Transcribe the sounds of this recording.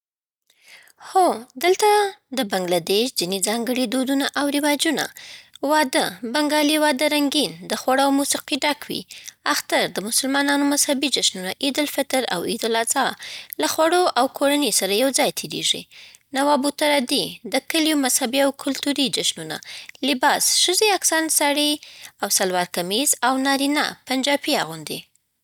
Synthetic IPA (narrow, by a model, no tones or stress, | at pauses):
xod̪əlt̪ad̪əbaŋɡlad̪eʃzinizɑŋɡəɽed̪od̪unaʔawɾɪwɑd͡ʒuna̰wɑd̪əbaŋɡɑliwɑd̪əɾaŋɡind̪əxwaɽawmusiqiɖɑkwḭaxt̪aɾd̪əmʊsʊlmɑnɑnomazhabid͡ʒaʃnunaʔid̪ɪlfɪt̪ɪɾa̰wid̪ɪlazɑlaxwaɽoʔawkʰoɾanesaɾajawd͡zɑjt̪ʰeɾḛʐḭ | nawɑbut̪aɾad̪id̪əkəljumazhabiawkʰʊlt̪uɾid͡ʒaʃnuna̰lɪbɑsʃəzeaksɑnsɑɽiawsalwɑɾkamezawnɑɾina̰pand͡ʒɑpia̰ɣund̪ḭ